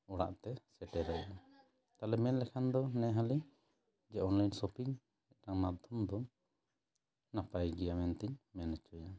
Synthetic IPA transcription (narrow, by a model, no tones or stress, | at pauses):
ɔɽa̰ʔt̪ɛsɛʈɛɾɛja | t̪alɛmɛnlɛkʰand̪ɔnɛɦali | d͡ʒɛɔnlajnsɔpiŋ | ɛʈaŋmad̪ʱɔmd̪ɔ | napajɡɛjamɛnt̪iɲmɛnɛt͡ʃɔja